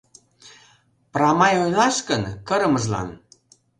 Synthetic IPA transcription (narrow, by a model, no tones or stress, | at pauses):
prɑmɑjojlɑʃkənkɤ̆ɾə̆məʒlɑ̰n